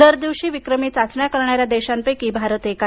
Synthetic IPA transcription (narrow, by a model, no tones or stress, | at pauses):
əɾd̪iʋɕiːʋikɾəmiːt͡sat͡sɳjakəɾɳaɾjad̪ɛɕampəjkibʱaɾət̪eka